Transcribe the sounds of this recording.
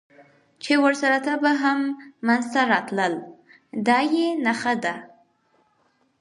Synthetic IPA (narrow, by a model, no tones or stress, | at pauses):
t͡ʃewəɾsaɾat̪abaɦamːanzt̪aɾɑt̪ləl | d̪ɑjenaxad̪a